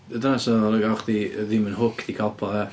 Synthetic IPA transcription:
ədənasɔləɡaχdiðɪmənɦʊkʰd̪̥ikʰalˠpʰɔɛ

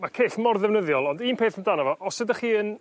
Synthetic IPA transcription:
makʰeːθmɔrðɛvnəðjɔlˠɔndiːnpʰeːθəmdanavɔʔɔsədəχiːən

